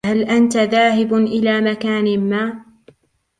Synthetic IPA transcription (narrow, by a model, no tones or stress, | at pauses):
halʔant̪aðaːɦɪbʔɪlaːmakaːnɪmaː